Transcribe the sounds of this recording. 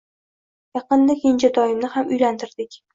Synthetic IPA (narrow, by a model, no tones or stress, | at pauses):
jɑqɨnːɪkʲɪnt͡ʃad̪ɒjɪmnɪhamʊjlant̪ʰɪɾd̪ɪkʲ